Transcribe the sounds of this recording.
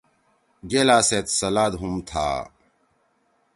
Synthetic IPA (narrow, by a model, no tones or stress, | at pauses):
ɡelaːset̪sɐlaːd̪ɦumt̪ʰa̰ː